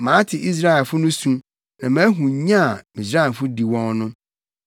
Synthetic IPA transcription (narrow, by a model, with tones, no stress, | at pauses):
mãː˨˦tʰɪ˨ʔi˦s̬ɾa˦ɛ˨lfʊ˦nʊ̃˦sũ˦ | nã˨mã˦ɦũ˨˦ɲã˦˨mĩ˨s̬ɾa˦ɛ˨fʊ˦di˨wɔ̃˦ŋnʊ̃˦